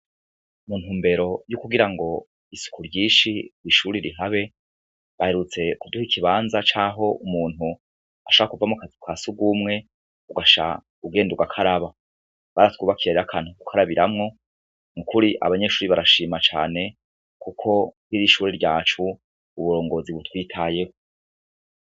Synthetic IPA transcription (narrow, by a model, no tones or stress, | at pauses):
mun̥huːmbe̞ɾo̞jukuɡiɾaŋɡo̞ | isu̥kuɾɟiːʃiiʃuːɾiɾiɦaβe̞ | βahe̞ɾut͡se̞kuduhikʰiβaːnzat͡ʃaːɦo̞umuːn̥hu | aʃoβɾakuvamukazikwaːsuɡumŋe̞ | uɡaʃa̰ | uɡe̞ːnduɡakʰaɾaβa | βaɾatwuːβakiɾaɾiɾakʰaːnukukʰaɾaβiɾamŋo̞ | ŋukuɾiʔa̰βaɲe̞ʃuːɾiβaɾaʃiːmat͡ʃa̰ːne̞ | kukʰo̞hiɾiʃuːɾiɾɟaːt͡ʃuː | βuɾo̞ːŋɡo̞ːziβutwiːtʰaːje̞ho